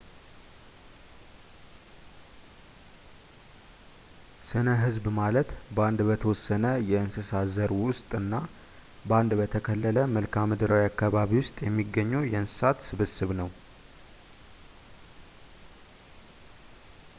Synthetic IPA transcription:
sɨnəɦɨzbmalət̪bəand̪bət̪ʰəwɔsːənəjɛɨnsɨsazəɾwʊst̪ʼɨnːa | bəand̪bət̪ʰəkʰəlːələməlkʰamɨd̪ɾawjakːaβaβiwʊst̪ʼjɛmːiɡːəɲːujɛɨnsɨ̥sat̪sɨβɨsɨβnəw

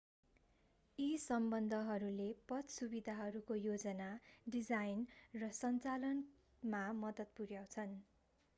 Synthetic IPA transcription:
isʌmbʌnd̪ʱʌɦʌɾulepʌt̪subid̪ʱaɦʌɾukojod͡zʌnaɖid͡zajnrʌsʌnt͡salʌn | mamʌd̪ʌt̪̚puɾjaw̃t͡sʰʌn

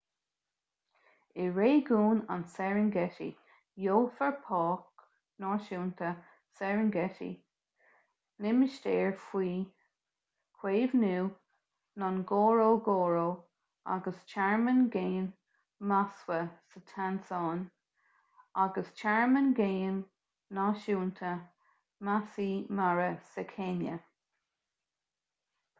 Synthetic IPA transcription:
ɪɹeːɡuːna̰nsɛɹənɡɛtḭ | joːfəɹpʰɑːk | nɔːʃuːnt̪ʰə | sɛɹənɡɛtḭ | lɪmɪʃteːɹfwiː | kʰw̥eːvnuː | nɔnɡoːɹoːɡoːɹoː | a̰ɡəst͡ʃaɹmənɡeːn | maswəsət̪ʰansɑːn | aɡəst͡ʃʰɛɹmənɡeːnː | ɑʃuːnt̪ʰə | masiːmaɹəsəkʰenjə

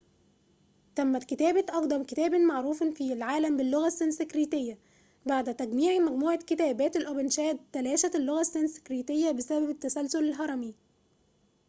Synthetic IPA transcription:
t̪æmːæt̪kɪt̪æːbætʔɑqd̪ˤɑmkɪt̪æːbenmaʕɾuːfɑnfilʕaːlæmbɪlːoɣæsːensekɾiːt̪ɪjːæ | baʕd̪t̪æɡmiːʕimæɡmuːʕakɪt̪æːbæːt̪elʔobenʃæːd̪̚t̪ːælæːʃæt̪elːoɣæsːensɪ̥kɾiːt̪ejːæbesæbæbet̪ːæsælsʊlɪlɦɑɾˤɑmi

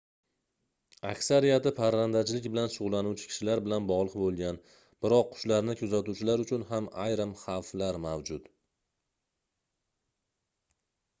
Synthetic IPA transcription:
akʲsaɾijat̪ɪpʰaɾvand̪at͡ʃlɪkʲbɪlanʃʊʁlːˠanuwt͡ʃʰɪ̥kʲɪ̥ʃɪlaɾbɪlanbɒʁlˠɨqbolˠɡʲan | b̥ɪɾɒqʰːʊ̥ʃlaɾnɪkʲʰɵzat̪uwt͡ʃʰɪlaɾʊt͡ʃʰʊnɦamajɾɪmχɑwflaɾmawd͡ʒʊt̪

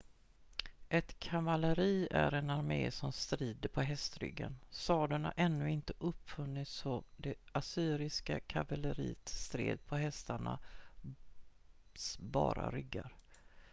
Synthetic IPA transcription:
ʔɛt̪kʰavaləɾiːæɾɛnaɾmeːsɔmst̪ɾiːd̪əɾpʰɔɦɛst̪ɾʏ̰ɡːansɑːd̪ʊɳa̰ɾʔɛnːɵɪnt̪əʔɵpːfɵnːɪt̪sɔd̪ɛasyːɾɪskakʰavaləɾḭːt̪st̪ɾḛːd̪̚pʰɔɦɛst̪aɳa | sbɑːɾa̰ɾʏɡːaɾ

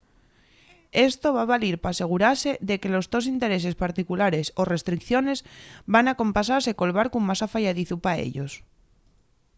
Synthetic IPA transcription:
e̞st̪o̞βaβaliɾpase̞ɣ̞uɾase̞ðe̞ke̞lo̞zðo̞sint̪e̞ɾe̞s̬e̞spaɾt̪ikulaɾe̞so̞re̞st̪ɾikθjo̞ne̞zβanako̞mpas̬aɾse̞ko̞lβaɾkumasafaʝaðiθupaḛʎo̞s

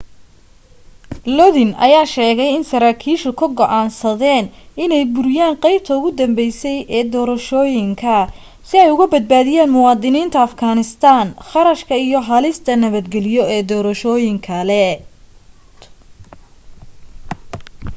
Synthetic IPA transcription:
lɔðɪnʔɐ̰jaːʃɛːɣɛjɪnsɐɾaːkʰiːʃʊkʰɐɡɔʔaːnsɐðɛːnɪnɛjbʊɾɪjaːnqɛjb̚t̪ʰɐʊɣʊd̪ɐmbɛjsɛjɛːd̪ɔːɾɐʃɔːjɪŋkʰɐ | sɪɛjʊɣɐbɐd̪̚baːðɪjaːnmʊwɑːd̪ɪniːnt̪ʰɐːfɡaːnɪst̪ʰaːnχɑɾɐʃkʰɐijɔɦɐlɪst̪ʰɐnɐβɐd̪ɡɛlɪjɔɛːd̪ɔːɾɐʃɔːjɪŋkʰɐlɛ

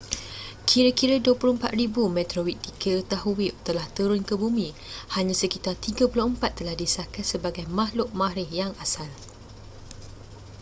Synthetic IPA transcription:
kʰiɾəkiɾəduəpulʊhəmpat̪̚ribumɛ̃t̪ɾowit̪̚t̪ikʰət̪aɦuwiʔ̚t̪əlaht̪uɾʊnkəbumĩ | haɲãsəkit̪art̪iɡapulohəmpat̪ːəlahdisakat̪səbaɡajmaɦlʊʔ̚maɾɪhjaŋasal

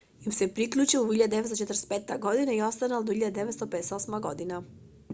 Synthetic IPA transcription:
imsepɾikʎʲuːt͡ʃiluhiʎad̪ad̪eet̪ot͡ʃet̪ɾespeːt̪aɡo̞d̪inaio̞st̪anald̪ohiʎad̪ed̪eʋe̞t̪st̪opeeseo̞smaɡo̞d̪ina

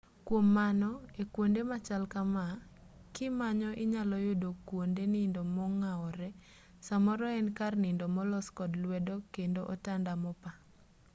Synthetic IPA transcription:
kwomːanɔekwondemat͡ʃalkama | kɪmaɲɔʔɪɲalɔjʊdokwondenindɔmɔŋaɔɾɛ | samɔɾɔɛnkarnɪndɔmɔlɔskɔdlwɛdɔkendoʔɔtandamɔpa

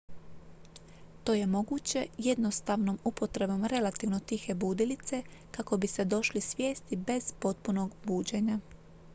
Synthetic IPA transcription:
t̪o̞ːje̞mo̞ɡuːt͡ɕe̞je̞d̪no̞st̪aʋno̞mupo̞t̪ɾe̞bo̞mɾe̞lat̪iʋno̞t̪ixe̞buːd̪ilit̪se̞kako̞bise̞d̪o̞ʃlisʋje̞ːst̪ibe̞z̥po̞t̪̚puno̞ɡbuːd͡ʑe̞ɲa

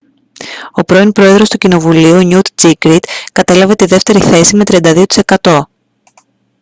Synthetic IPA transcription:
o̞pɾo̞inpɾo̞e̞ðɾo̞st̪ucino̞vuliuɲut̪d͡zikɾit̪kɐt̪e̞lɐve̞t̪iðe̞ft̪e̞ɾiθe̞sime̞t̪ɾiɐnd̪ɐðiot̪i̥se̞kɐt̪o̞

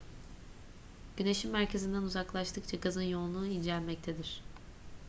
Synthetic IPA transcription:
ɟ̥yne̞ʃimːæɾcʰe̞zind̪ænuzaklˠaʃt̪ʰɯk̚t͡ʃʰaɡazɯnjo̞nlˠuːinʲd͡ʒɛlʲmɛc̚t̪ʰed̪iɾ̥

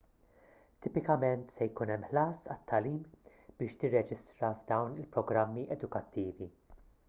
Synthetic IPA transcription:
t̪ɪpɪkɐmɛnt̪sɛjkuːnɛmːħlɐːsɐt̪ʰːɐliːm | b̥ɪːʃt̪ɪrːɛd͡ʒɪst̪ɾɐvd̪ɐwnɪlpɾɔɡɾɐmːiʔɛd̪ʊkɐt̪ːiːvi

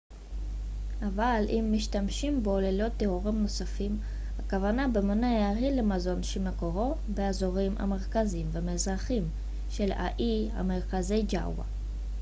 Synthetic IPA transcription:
avalʔimːiʃtamʃimbolelo̞t̪ːeoʁimno̞safim | hakavanabemonajːʁilemazo̞nʃelmeko̞ʁo̞ | beazo̞ʁimʔa̰me̞ʁkazimvemezʁaχim | ʃe̞la̰ʔia̰meʁkazejd͡ʒa̰wa̰

